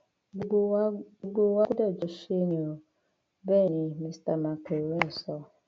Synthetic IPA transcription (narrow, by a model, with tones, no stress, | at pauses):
u˦ɡ͡bo˦wa˦dɛ˦˨d͡ʒo˨ʃe˦ni˨o˨ | bɛ˦˨ni˨mi˦sta˨ma˨ke˨we˦n̩˨sɔ˦